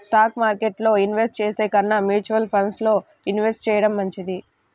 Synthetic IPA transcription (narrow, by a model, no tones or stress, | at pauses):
sʈaːkmaːɾkeʈlo̞ːinʋesʈ̚t͡ʃeːseːkɐnːɐmjuːt͡ʃuʋɐlpʰɐnslo̞ː | inʋesʈ̚t͡ʃɛːjɐɽɐmːɐɲt͡ʃid̪i